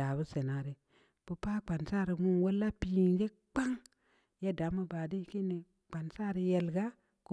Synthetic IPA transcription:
a˨bu˦se˨na˨ɾi˨ | pu˨pa˦k͡pa˨nsa˦˨ɾi˨mu˦nwo˦lːa˦pi˦i˨nd͡ʒe˦ | k͡pa˦ŋ | je˦da˨˦mu˦ba˨di˦ki˦ni˨ | k͡pa˨nsa˦ɾi˨je˨lɡa˦ | ku˦

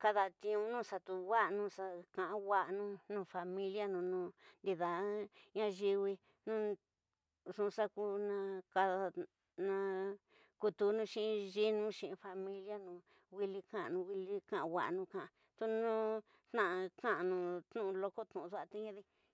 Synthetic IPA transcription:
ka˧ða˧t̪ĩ˧ũ˧nũ˦sa˧t̪u˧wa˦ʔnũ˧sa˧kã˨ʔã˧wa˦ʔnũ˦nũ˧fa˧mĩ˦lja˦nũ˧nũ˧nd̪i˧ða˨˦ɲã˦ʒi˧wi˧ | nũ˦ | ʐũ˧sa˦ku˦nã˧ka˧ða˧ | nã˧ | ku˧t̪u˧nũ˦˧ʃĩ˦ĩ˧ʒi˦nũ˦ʃĩ˧ʔĩ˧fa˧mĩ˦lja˦nũː˧ | wi˧li˧kã˦ʔa̰˧nũ˧wi˧li˦kã˦ʔwʷa̰˨ʔnũ˦˧kã˨ʔã˧ | t̪u˧nũ˦ | t̪nã˦˨ʔa˧kã˦ʔa˧nũ˧t̪nũ˦ʔũ˧lo˧ko˦t̪ũ˨˧ðu˦a˧t̪i˦ɲã˦ði˧

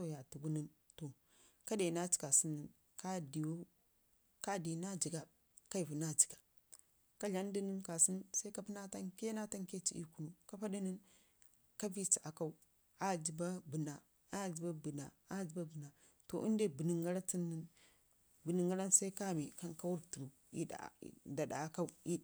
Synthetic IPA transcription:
o˦˨ja˨tu˨ɡu˦ni˦n | to˨ | ka˦de˨na˦t͡ʃi̥˨ka˨si˦nːi˨n | ka˦di˨wo˦ | ka˦di˨na˦d͡ʒi˨ɡa˨ | ka˦i˨vu˨na˦d͡ʒi̥˨ɡa˨ | ka˦ɮa˦n˦di˦nə˦nka˨si˦nsa˦i˦ka˦pi˦na˦ta˦ŋke˦na˦ta˦ŋke˦t͡ʃḭ˨˦i˦ku˦nu˨ka˦pa˦di˦ni˦n | ka˦vi˦t͡ʃi˨ʔa˨ka˦u˦ | a˦d͡ʒi˨ba˦bu˨na˨ | a˦d͡ʒi˨ba˦bə˨na˨ | a˦d͡ʒi˨˦ba˦bu˨na˨ | to̰˨ʔi˦n˦de˦bi˨ni˨ŋɡa˦ɾa˦ti˦nːə˦n | bə˨ni˨ŋɡa˦ɾa˦nsa˦i˦ka˦˨mi˨ka˦ŋka˦wu˦ɾtu˨ɾu˨ | ḭ˦a̰˨da˨da̰˨˦ka˦u˦i˦

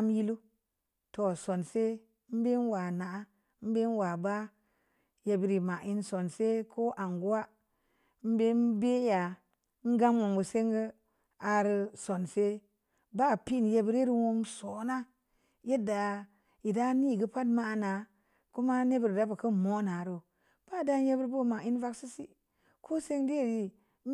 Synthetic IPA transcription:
m˦ji˦lu˦ | to˨so˨nse˦ | m̩˦be˦n˦wa˨na˨ʔa˦ | m̩˦be˦n˦wa˨ba˦ | je˨bi˨ɾi˨ma˨i˦nso˨nse˦kʰo˦ʔa˨ŋɡu˦wa˦ | m̩˦be˦n˦be˦ja˨˦ | ŋ̩˦ɡa˦mwo˨ŋbu˨se˦ŋɡə˦ | a˨ɾi˦so˨nse˦ | ba˦˨pi˦˨n˨je˦bi˦ɾi˦ɾi˦wo˧ŋ˦so˨˦na˦ | je˦da˨ | ji˨da˦ni˦˨ɡə˦pa˦dma˦˨na˨ | ku˦ma˦ne˦bi˨ɾda˦bə˨kə˦˨mo˦na˨ɾo˨ | b̥a˦˨da˦n˦je˦bi˦ɾbo˦˨ma˨i˦n˦va˦ksi˦si˦ | kʰo˦se˦ŋdi˦˨ɾi˨˦

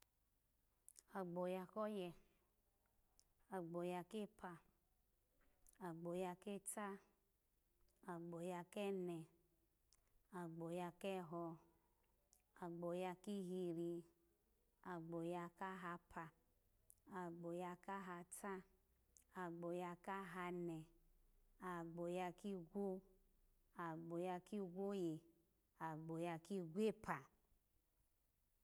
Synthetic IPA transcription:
a˨ɡ͡bo˨ja˧kɔ˦jɛ˧ | a˨ɡ͡bo˨ja˧ke˦pʰa˧ | a˨ɡ͡bo˨ja˧ke˦ta˦ | a˨ɡ͡bo˨ja˧kɛ˦nɛ˨ | a˨ɡ͡bo˨ja˧kɛ˦ɦɔ˧ | a˨ɡ͡bo˨ja˧ki˦ɦi˧ɾi˧ | a˨ɡ͡bo˨ja˧ka˦ɦa˧pʰa˨ | a˨ɡ͡bo˨ja˧ka˦ɦa˧ta˦ | a˨ɡ͡bo˨ja˧ka˦ɦa˧nɛ˨ | a˨ɡ͡bo˨ja˧ki˦ɡʷo˦ | a˨ɡ͡bo˨ja˧ki˦ɡʷo˦je˨ | a˨ɡ͡bo˨ja˧ki˦ɡʷe˦pʰa˨

